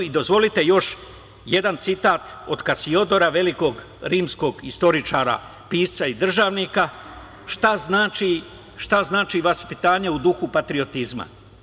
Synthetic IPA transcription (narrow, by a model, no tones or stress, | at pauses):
id̪o̞zʋo̞lit̪e̞jo̞ʃ | je̞d̪ant̪sit̪aːt̪o̞d̪kasio̞d̪o̞ɾaʋe̞liko̞ːɡ | ɾiːmsko̞ːɡist̪o̞ɾit͡ʃaːɾa̰ | piːst̪said̪r̩ʒaːʋnika | ʃt̪aznaːt͡ʃi | ʃt̪aznaːt͡ʃiʋaspit̪aːɲeud̪uxupat̪ɾio̞t̪izma̰